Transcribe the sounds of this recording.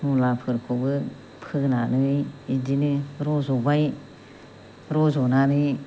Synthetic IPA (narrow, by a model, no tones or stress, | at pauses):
nulapʰɯɾkʰɔbɯ | pʰɯɡnanɯjidinɯɾɔzɔbaj | ɾɔzɔnanɯj